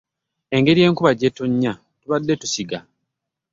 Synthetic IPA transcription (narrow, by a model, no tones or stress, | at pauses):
e̞ŋɡe̞ɾije̞ːŋkuβaɟːe̞tuɲːa | tuβadːe̞tu̥siɡa